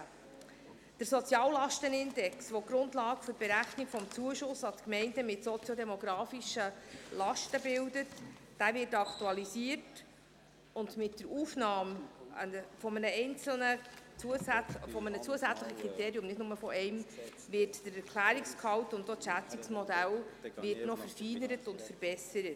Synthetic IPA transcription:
d̥əɾsɔt͡sjɑːllːɑʃtənɪndɛksʋɔɡ̥ɾʊntlɑːɡəfʏɾb̥ɛɾæχnikfɔmt͡suəʃʊsɑtkmɛɪndəmɪtsɔt͡sjɔdɛmɔɡɾɑːfiʃəlɑʃtəbɪldətd̥æːvɪɾtɑkʰtuɑlisiət | ʊndmɪtdəɾuːfnɑːmə̰nəfɔmənəɛɪnt͡sl̩nət͡suəsfɔmənət͡suəsæt͡sləχəkʰʁiteːɾiʊmnɪdnʊməfɔʔɛɪm | ʋɪrtd̥əɾɛɾkʰlæːɾikskʰɑwtʊntːotʃæt͡siksmɔdælʋɪrtnɔfəɾfiːnəɾətʊntfəɾb̥ɛsəɾət

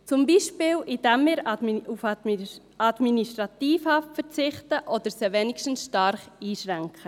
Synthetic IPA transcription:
t͡sʊmbiːʃpɪːlʔid̥ɛmːɪːɾufɑ | ɑd̥miniʃtɾʁɑt̪iːfhɑftfəɾt͡sɪχtəʔɔd̪əɾsəʋɛnɪkʃtən̩sʃtɑɾχiːʃɾæŋkχə

